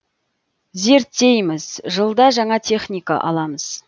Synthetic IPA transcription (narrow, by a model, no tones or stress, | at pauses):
ze̞ɾt̪ːe̞jmɪzʒəlˠd̪ɑʒɑɴɑt̪ʲʰe̞χnʲijka̰ʔɑ̰lˠɑməz̥